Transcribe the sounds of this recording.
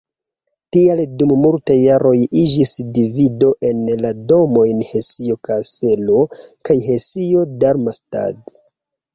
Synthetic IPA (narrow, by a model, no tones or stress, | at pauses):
tialdumːultajːaɾo̞jid͡ʒisdivido̞ʔe̞nlado̞mo̞jnhe̞sio̞kase̞lo̞kajɦe̞sio̞daɾmasta̰d